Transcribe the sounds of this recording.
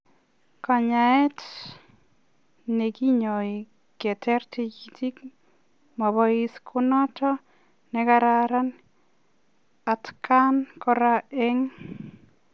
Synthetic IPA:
ka˨ɲa˨ɛ˦t | ne˨ki˦ɲo˨i˨ | kɛ˨tʰɛ˦rtʰikitʰi˦k | mɔ˨bɔ˦iskʰʊnɔ˦tʰɔ˦ | nɛ˦kaɾaɾa˦n | a˨tkʰankɔ˦ɾaɛ˦ŋ

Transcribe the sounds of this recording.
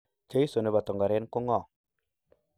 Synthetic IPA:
t͡ʃe˦ji˦so˨nə˨ba˨to˨ŋɡa˨ɾe˦n˦ku˦ŋo˦˨

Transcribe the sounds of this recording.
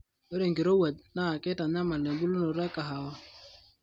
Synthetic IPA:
o˦ɾe˨ŋɡi˨ɾo˦wa˨d̚na˦˨kɪ˦ta˨ɲa˦ma˨le˨bu˦lu˦no˨ɾɛ˦ka˨ɦa˨wɔ˦

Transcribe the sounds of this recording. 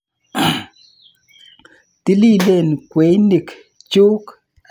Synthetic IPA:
ti˦li˦˨le˦˨nkwe˨˦jni˨k | t͡ʃu˦k

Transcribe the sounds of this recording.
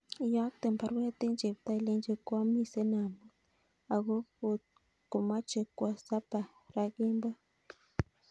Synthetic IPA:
ja˦k̚t̪e˨mpʰa˨ɾku˦ɾa˦t̪e˦nd͡ʒe˨bt̪a˦˨le˦nd͡ʒe˦˧kwa˦mi˦se˦na˨mu˨ | a˨ɡo˦o˦t̪̚ | ku˨ma˦t͡ʃe˨kwa˨sa˦pa˨ | ɾa˦ɡe˦mba˦

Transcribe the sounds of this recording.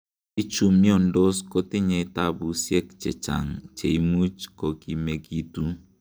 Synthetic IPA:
i˦t͡ʃu˨mi˦ɔ˦ndɔ˦sko˦tɪ˦ɲɛ˨˦ta˦bu˦sjɛ˦kt͡ʃɛ̰˨t͡ʃa̰˨ŋt͡ʃe˨i˦mu˦t͡ʃkɔ˨ki˨me˨ki˦tu˦

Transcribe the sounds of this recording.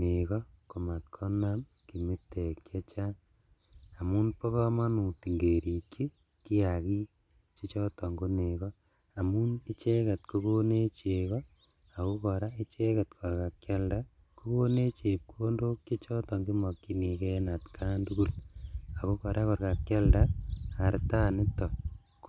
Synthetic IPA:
ne˨kɔ˦ko˨ma˨t̚kʰɔ˦nam | ki˨mi˦tːe˨kt͡ʃe˦t͡ʃa˦ | a˨mu˦npo˦kɔ˦ma˦nu˨ti˨ŋɡe˨ɾi˨kːi˦ | ki˦a˨ki˦ | t͡ʃi˦t͡ʃɔ˦tɔ˨ŋɡo˦ne˨kɔ˦ | a˨mu˦ni˦t͡ʃe˦kɛ˨tkoko˦ne˦t͡ʃe˨kɔ˦ | a˨ko˦kɔ˨ɾa˦i˦t͡ʃe˦ka˨tkʰɔ˨rka˨kt͡ʃa˦lda˦ | ku˦ko˦ne˦t͡ʃe˨p̚kuo˦ndo˦kt͡ʃe˦t͡ʃɔ˦tɔ˨ŋɡi˦mɔ˨kːi˨ni˨kɛ˦na˨tkʰa˦ndu˦ku˦la˨ko˦kɔ˨ɾa˦kɔ˨rka˨kja˦ldaa˨ɾta˦nɪ˦tɔ˨

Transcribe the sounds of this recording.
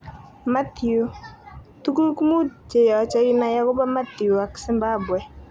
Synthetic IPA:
ma˦t̪u˨ | t̪u˦ku˦ɾku˦mu˦d̚t͡ʃe˨jɔ˨t͡ʃa˦ji˦na˨˦ja˦kʊ˦ba˦ma˦t̪ju˨a˨ksɪ˦mba˦bwɛ˨

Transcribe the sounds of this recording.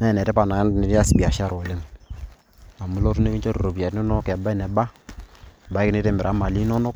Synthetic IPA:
nɛ˦˨nɛ˨tɛ˦pa˨na˨˦ne˨ɾa˦si˦bi˨a˨ʃa˦˨ɾɔ˨le˦m | a˨mu˦lɔ˦tu˦ne˦βi˦ɲt͡ʃo˦ɾo˨ɾo˨bja˨tno˦nɔ˦kɛ˨ba˦i˦nɛ˨ba˦˨ | ba˨i˦kne˦te˦mɪ˨ɾʔa˨˦ma˨li˦nɔ˦nɔ˦k̚

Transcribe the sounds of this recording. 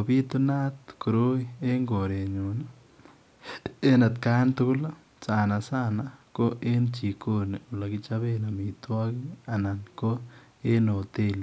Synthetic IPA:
o˨bi˦t̪o˦na˦t̪ko˨ɾo˦ie˦ŋɡo˨ɾe˨ɲu˨na | e˦na˨t̪kaː˦ntʊ˦kʊ˦la˦ | saː˨na˨saː˦na˨ko˦ʔe˦nt͡ʃi˨ko˦˨ne˨u˨la˨ki˦t͡ʃaβe˦na˨mi˨twɔ˦ki˦a˨na˨nko˦ | e˦no˨te˦le˨

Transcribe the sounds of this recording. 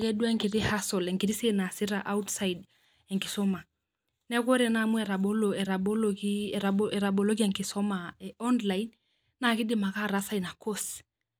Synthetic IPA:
kɛ˦dwa˦ŋki˨ɾi˦ha˦sɔ˨lɛ˨ŋɡi˨ɾi˦se˦na˨si˦ɾaʔa˦u˦tsa˦id | ɛ˨ŋkɪ˨sɔ˦ma˨ | nɛ˦ko˦ɾɛ˨na˨mu˦ɛ˨ɾa˨ɓo˦loɛ˨ɾa˨bo˦lokiaɛ˨ɾa˨bo˨lo˦ɡi˦ɛ˨ŋkɪ˨sɔ˦maɛɔ˦nla˨in | na˨kɪ˦dɪ˦ma˨ka˦ɾasa˦i˨na˨ko˦s

